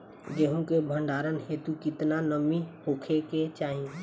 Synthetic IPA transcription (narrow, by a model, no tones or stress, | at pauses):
d͡ʒeːɦũkebʱə̃ɳɖaːɾənɦeːt̪ukɪt̪nanəmihoːkʰeket͡ʃaːɦĩẽ